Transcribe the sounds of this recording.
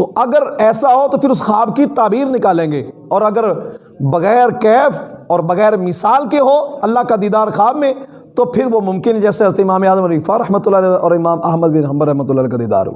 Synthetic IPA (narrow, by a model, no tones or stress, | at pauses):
t̪oʔɐɡəɾɛːsaɦot̪opʰɪɾʊsxaːbkit̪aːbiːɾnɪkaːlẽːŋɡeːɔːɾɐɡəɾ | bɐɣɛːɾkɛːfɔːɾbɐɣɛːɾmɪsaːlkeɦoːɐlːaɦkad̪iːd̪aːɾxaːbmẽ | t̪opʰɪɾʋomʊ̃mkɪnɦɛd͡ʒɛːseɦɐzɾət̪eɪmaːmeaːzəmɐliːfaɾɐɦmət̪ʊlːalɛʔɔːɾɪmaːmɐɦməd̪bɪnɦɐ̃mbəɾɐɦmət̪̬ʊlːaːlɛːkad̪iːd̪a̰ːɾɦo̰ɡ